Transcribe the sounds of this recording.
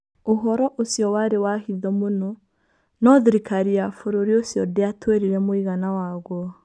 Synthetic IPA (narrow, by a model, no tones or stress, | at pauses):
oɦɔɾɔʔosjɔwaɾewahiðɔmonɔ | nɔðiɾikaɾiafoɾoɾiosjɔdeatʰweɾiɾɛmoiɣanawaɣwɔ